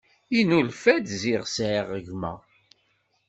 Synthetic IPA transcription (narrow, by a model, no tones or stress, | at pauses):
inulfæd̪ziʁsʕiʁəʝmæ̰